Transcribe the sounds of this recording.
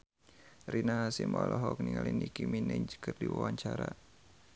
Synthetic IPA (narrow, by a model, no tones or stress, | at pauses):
rinaɦasimɔlʔɔɦɔkniŋalinikiminɛɲd͡ʒə̥kɨrdiwawaɲt͡ʃaɾa